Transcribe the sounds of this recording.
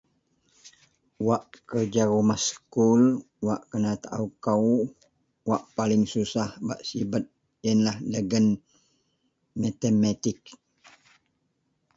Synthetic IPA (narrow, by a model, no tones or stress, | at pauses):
waʔkərd͡ʒaɾumaskul | waʔkənat̪aʔaukaw | waʔpalɪŋsusahbaʔsibət̪̚ | jənlahləɡən | mat̪emat̪ɪk̚